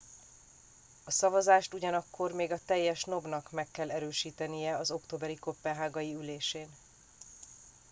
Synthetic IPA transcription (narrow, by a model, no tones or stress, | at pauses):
ɒsɒvɒzaːʃt̪uɟɒnɒkːo̞rmeːɡɒt̪ɛjːɛʃno̞bnɒkmɛkːɛlːɛɾøːʃiːt̪ɛnijɛɒzo̞kt̪oːbɛɾiko̞pːɛnɦaːɡɒjiyleːʃeːn